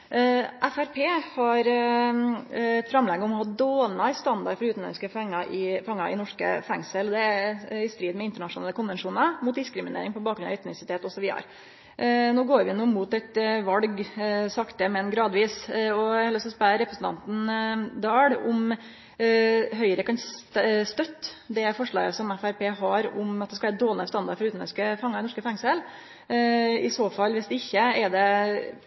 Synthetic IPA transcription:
ʔæfæɾpʰeːhɑɾ | ɛt̪fɾɑmlɛɡːəɔmɔhɑːd̪oːlnɑɪst̪ɑnd̪ɑɾfɔɾʉːt̪n̩lɛ̰nɪskəfɛŋːɑʔɪfɑŋːɑɪ̰nɔʂkə̰fæŋsəld̪ɛɪst̪ɾiːd̪mɛɪnt̪əɳɑʂʊnɑːləkʊnʋɛnʂuːnəɾmʊːt̪̚d̪ɪskɾɪmɪnḛːɾɪŋpɔbɑːk̚ɡɾʉnɑœt̪ːʋɛsɪt̪ʰeːt̪ɔsɔʋiːd̪ə̰ɾ | noːɡoːɾʋɪnuːmut̪ɛt̪ʋɑlɡsɑkt̪əmɛnːɡɾɑːd̪ʋiːsɔhɛlːəsɔspɑɾɛpɾəsn̩t̪ʰɑ̰nt̪n̩d̪ɑːɽʊm | ɦœʏɾəkɑnst̪œt̪ːd̪ɛfɔʂɭɑ̰ːɡəsɔmæfæɾpʰeːɦɑɾʊmɑt̪̚ɛskɑʋæɾd̪oːlnst̪ɑnd̪ɑ̰ɾfɔɾʉːt̪nœ̰skəfɑŋːɑɾnɔʂkəfɛŋsəl | ɪsoːfɑlːʋɛsd̪ɛɪçːəɛd̪ɛ

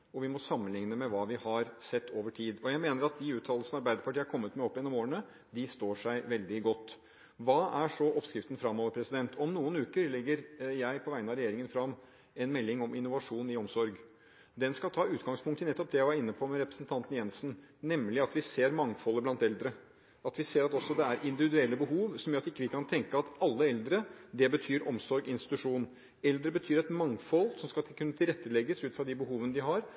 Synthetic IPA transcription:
ɔʋɪmɔsɑmːənlɪŋnəmɛʋɑːʋɪhɑɾsɛt̪ːoːʋəʈʰiːd̪ɔjæɪmeːnəɾɑt̪̚d̪ɪʉːt̪ʰɑːllsn̩ɑɾbæɪd̪əɾpɑʈʰiːəæɾkʰɔmːət̪mɛɔpːɛːnːɔmoːəɳə | d̪ɪst̪oːʂæɪʋɛld̪ɪɡɔt̪ː | ʋɑːʔæʂɔʔɔpskɾɪft̪ən̩fɾɑmːɔːʋəɾpʰɾɛsɪd̪ɛnt̪ʰɔmnuːənʉːkəɾlɪɡːəɾjæɪpʰɔʋæɪənɑɾɛjeːɾɪŋənfɾɑmː | ɛnmɛlːɪŋɔmɪnʊʋɑʂuːnɪɔmsɔɾɡ | d̪ɛnskɑlt̪ʰɑːʉːt̪ɡɑŋspʰʊŋk̚t̪ənɛt̪ːɔp̚d̪ɛjæɪʋɑɾɪnːəpʰɔmɛɾɛpɾəsənt̪ʰɑnt̪n̩jɛnsn̩ | nɛmlɪɑt̪ʋɪseːɾmɑŋfɔlːəblɑnt̪ɛld̪ɾə | ɑt̪ʋɪseːɾɑt̪ɔsːɔd̪ɛæɾʔɪnd̪ɪʋɪd̪ʉɛlːəbəɦuːʋsɔmjøːɾɑt̪ɪkːəʋɪkʰɑnt̪ʰɛŋkəɑt̪ɑlːəɛld̪ɾəd̪ɛbət̪ʰyːɾɔmsɔɾɡɪnst̪ɪt̪ʉʂuːnn | ɛld̪ɾəbət̪ʰyːɾɛt̪mɑŋfɔlːsɔmskɑkʰʉnːət̪ʰɪlɾɛt̪ːəlɛɡəsʉːt̪fɾɑd̪ɪbəɦuːʋənəd̪ɪɦɑɾ

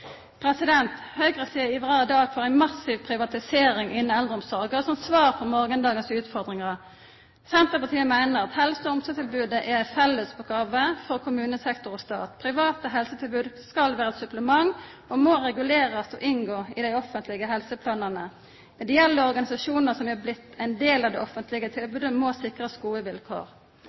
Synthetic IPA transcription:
pʰʁɛsɪd̪ɛnt̪hœʏɡʁəsiːəɪʋɑɑːd̪ɑːɡfɔʁæɪnmɑsɪʋpʰʁɪʋɑt̪ɪseːʁɪŋʔɪnn̩ɛld̪ʁəɔmsɔʁɡəʁsɔmt̪sʋɑːʁfʰɔmɔʁɡənd̪ɑːɡənsʉːt̪fɔʁd̪ʁɪŋɑʁə | sɛnt̪ʁəpɑʁt̪ʰiːəmæɪnəʁɑt̪hɛlsəɔɔmsət̪ʰɪlbʉːd̪əʔɛʁæɪfɛlːəsɔɡɑːʋəfɔʁkʰʊmʉːnəsɛkt̪ɔʁɔst̪ɑ̰ːt̪pʰʁɪʋɑːt̪əɦɛlsət̪ʰɪlbʉːd̪skɑlʋæːʁəɛt̪sʉpləmɑŋ | ɔmoːʁɛɡʉleːʁəsɔʔɪnɡoːɪd̪æɪɔfənt̪ʰlɪɡəɦɛlsəpʰlɑːnənə | mɛd̪ɪjɛlːəɔʁɡɑnɪsɑsuːnəʁsɔmɛblɪt̪ːæɪnd̪eːlɑʋd̪ɛ̰ʔɔfənt̪ʰlɪɡət̪ʰɪlbʉːd̪əmosɪkʁəsɡuːəʋɪlkʰo̰ːʁ

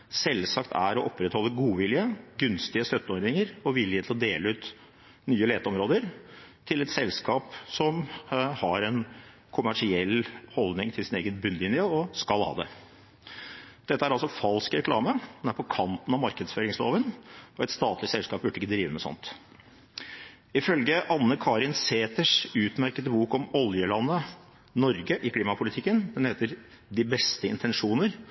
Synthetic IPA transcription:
sɛlsɑkt̪ʰæɾɔʔɔpːɾɛt̪hɔlːəɡuːʋɪljəɡʉnst̪ɪəst̪œt̪ːəɔɾd̪ɪŋəɾɔʋɪlːɪhət̪ʰlɔd̪eːləʉːt̪ | nyːəleːt̪əɔmɾoːd̪əɾt̪ʰɪlɛt̪sɛlskɑːpsɔmhɑɾɛn | kʰʊmæʂɪɛlːhɔld̪nɪŋt̪ʰɪlsɪneːɡənbʉnlɪnɪjəɔskɑlhɑ̰ːd̪ɛ | d̪̥ɛt̪ːəæɾɑlsɔfɑlskɾɛkʰlɑ̰ːməd̪ɛnæɾpʰɔkʰɑnt̪n̩ɑmɑɾkəd̪sføːɾɪŋslo̰ːʋənɔɛt̪st̪ɑːt̪lɪsɛlskɑːp̚bʉɖːəɪkːəd̪ɾiːʋəmɛsɔ̰nt̪ | ɪfœlɡəʔɑnːəkʰɑɾɪnseːt̪əʂʉːt̪mæɾkət̪əbuːkɔmɔljəlɑnːə | nɔɾɡəʔɪkʰliːmɑpʰʊlɪt̪ʰɪkːənd̪ɛnheːt̪əɾ | d̪ɪbɛst̪əɪnt̪ʰɛnʂuːnəɾ

